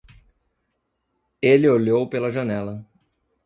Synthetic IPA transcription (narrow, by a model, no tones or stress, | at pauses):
elɪoʎowpelɐʒɐnɛlɐ